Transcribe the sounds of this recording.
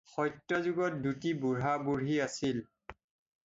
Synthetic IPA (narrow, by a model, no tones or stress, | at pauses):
xɔjtɹɔzʊɡɔt̚dutibuɹabuɹiasil